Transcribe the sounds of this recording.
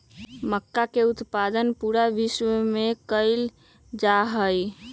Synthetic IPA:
məkːakeut̪pad̪ənpuɾaʋiʃʋəmekəɪl | d͡ʒaɦəj

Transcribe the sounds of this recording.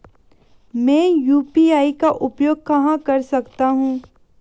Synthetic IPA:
mɛ̃ːjuːpiːaːikaʔʊpjoːɡ̚kɐɦãkɐɾsɐkt̪aɦũː

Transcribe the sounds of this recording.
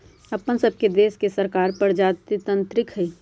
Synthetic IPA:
ɐpənsɐb̚ked̪eːskesɐɾkaːɾpəɾd͡ʒaːt̪it̪ə̃nt̪ɾɪkɦɛiː

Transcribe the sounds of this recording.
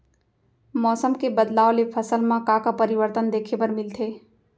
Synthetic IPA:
mɔsəmkebəd̪laolepʰəsəlmãkakapəɾiʋəɾt̪ənd̪ekʰepəɾmilt̪ʰe

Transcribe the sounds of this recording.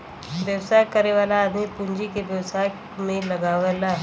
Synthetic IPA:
ʋjəʋsajkəɾeʋaːlaːd̪ipund͡ʒikeʋjəʋsajk | mẽləɡaʋəla

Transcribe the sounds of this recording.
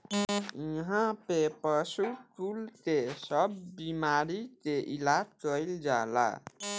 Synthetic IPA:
iɦãpepəsuʈult̪esəbːimaɾit̪eʔilad͡ʒkəjld͡ʒala̰

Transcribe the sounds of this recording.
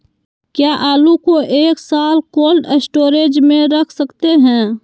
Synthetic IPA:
kjaːʔaːlukoʔeːksaːlkoːlɖesʈoːɾeːd͡ʒmẽɾəkʰsəkt̪eɦɛ̃ː

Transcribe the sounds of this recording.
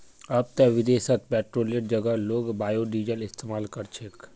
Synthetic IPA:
ɐb̚t̪ɛʋɪd̪eːsət̪̚pɛːʈɾoːljəʈ̚d͡ʒɐɡəloːɡbaːjoːɖiːd͡ʒəlɪst̪eːmaːlkɐɾt͡ʃʰek

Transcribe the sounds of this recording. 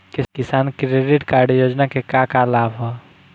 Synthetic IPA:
kikisankɾeɖiʈkaɾɖjod͡ʒnakekakalabɦɔ

